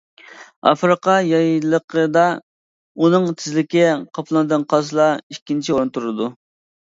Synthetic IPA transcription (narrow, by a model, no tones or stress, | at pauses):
ɑ̰fɾɨqɑjɑjlˠəqʰəd̪ɑ | unɨŋt̪ʰɪzlɪkʲɪqʰɑpʰlˠɨnɨd̪ɨnqʰɑsɨlˠɑikʲːint͡ʃʰioɾnt̪uɾɨd̪u